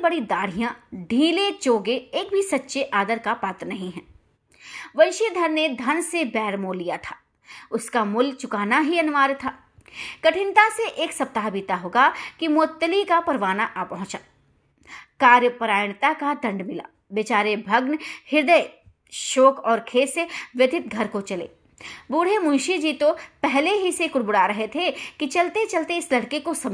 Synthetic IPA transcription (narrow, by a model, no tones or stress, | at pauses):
bɐɽid̪aːɽ̤ijãɖʱĩːlet͡ʃoːɡeeːk̚bʱisɐtːʃeʔaːd̪əɾkapaːt̪ɾənɐɦĩɦɛ̃ː | ʋɐlʃid̪ʱɐɾned̪ʱɐnsebɛːɾmoːlːijat̪ʰaː | ʊskamʊlt͡ʃʊkaːnaɦiɐnʊʋaːɾt̪ʰaː | kɐʈʰɪ̃nt̪aseʔeːksɐp̚t̪aːɦbʱit̪aɦoːɡakimʊət̪ːəlikapɐɾʋaːnaʔapɐɦʊ̃t͡ʃaː | kaːɾjəpɾaːjnt̪akad̪ɐ̃ɳɖmɪla̰ː | bet͡ʃaːɾebʱɐɡnhɪɾd̪əj | ʃoːkɔːɾkʰeːseʋɪd̪ʱɪt̪̚ɡʱɐɾkot͡ʃɐlḛː | buːɽ̤emʊ̃nʃid͡ʒit̪opɛɦleɦisekʊɽbʊɽaɾɐɦet̪ʰekit͡ʃɐlt̪et͡ʃɐlt̪eɪslɐɽkekosɐm